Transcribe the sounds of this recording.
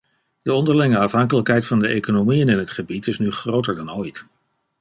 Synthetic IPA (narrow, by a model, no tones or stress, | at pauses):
d̥əɔndəɹlɪŋəɑfɦɑŋkələkɦɛjtfɑndəʔḛjkonomiənɪnɦətχəbitɪsnyχrowtəɹdɑnoːjt